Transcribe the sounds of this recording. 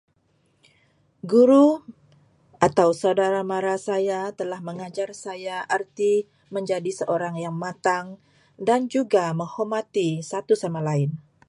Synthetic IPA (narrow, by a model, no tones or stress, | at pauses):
ɡuɾu | ʔat̪awsaudaɾamaɾasajat̪əlahməŋad͡ʒarsajaʔərt̪i | məɲd͡ʒadisəʔoɾaŋjaŋmat̪aŋ | dand͡ʒuɡaməŋhomat̪isat̪usamalaɪn